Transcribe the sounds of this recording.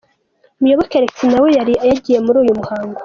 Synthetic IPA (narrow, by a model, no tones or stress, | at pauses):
mujo̞βoke̞ɾet͡sinawejaɾiajaɟije̞muɾuːjumuhaːŋɡo